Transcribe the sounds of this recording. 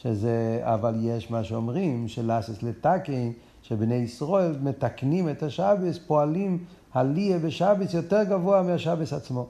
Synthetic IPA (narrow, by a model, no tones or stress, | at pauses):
ʃezea̰valjeʃmaʃeomʁimʃelasoslet̪akin | ʃebnejisʁo̞elmet̪aknimet̪haʃabespoalim | haliebeʃabesjot̪eʁɡavoameaʃabesat͡smo̞